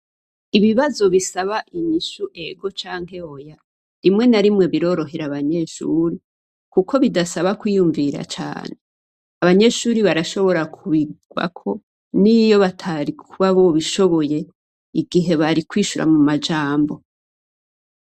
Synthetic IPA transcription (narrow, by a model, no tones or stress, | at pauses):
iβiβazo̞βisaβaʔiɲiʃuʔe̞ɡo̞t͡ʃaːŋ̥he̞hoja | ɾimŋe̞naɾimŋe̞βiɾo̞ɾo̞ɦe̞ɾaβaɲe̞ʃuɾi | kuko̞βidasaβakwijuɱviɾa̰t͡ʃa̰ːne | aβaɲe̞ʃuːɾiβaɾaʃo̞βo̞ɾakʰuβiɡwa̰kʰo̞ | nijo̞βatʰaɾikʰuβaβoβiʃo̞βo̞je̞ | iɡiɦe̞βaɾikwiːʃuɾa̰mumad͡ʒaːmbo̞